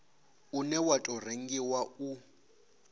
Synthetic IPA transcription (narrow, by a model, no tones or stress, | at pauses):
unɛwatʼɔr̤eŋ̩ɡiwau